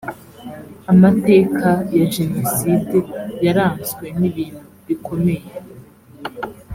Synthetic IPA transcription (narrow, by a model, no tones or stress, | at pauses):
amate̞ːkʰajaʒe̞no̞side̞jaɾaːnzwe̞n̥iβiːn̥huβikʰo̞me̞je